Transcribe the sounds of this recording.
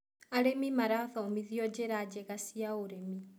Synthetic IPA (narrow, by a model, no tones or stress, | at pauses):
aɾemimaɾaðɔomiðiɔd͡ʒeɾad͡ʒɛɣasiaoɾemi